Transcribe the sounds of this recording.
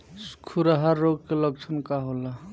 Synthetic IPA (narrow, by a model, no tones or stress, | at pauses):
skʰuɾaɦaɾːoɡ̚keləɡ̚t͡ʃʰənkaɦola